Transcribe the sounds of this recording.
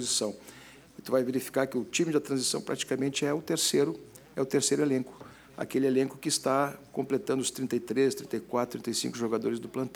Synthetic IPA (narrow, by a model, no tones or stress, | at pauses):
ozisɐ̃w̃ | ɪt̪ʊvajveɾifi̥kaɾkɪʊt͡ʃĩmɪd̪ɐt̪ɾɐ̃zisɐ̃w̃pɾʔat͡ʃi̥kamẽnt͡ʃɪɛʊt̪eɾseɾʊ | ɛʊt̪eɾsejɾʊelẽŋkʊ̥ | a̰kelɪelẽŋkʊ̥kɪːst̪akõmplet̪ɐ̃nd̪ʊst̪ɾĩnt̪ɐjt̪ɾest̪ɾĩt̪ɐjkwat̪ɾt̪ɾĩt̪ejsḭ̃ŋkʊʒoɡad̪oɾɪzd̪ʊplɐ̃nt̪ɛ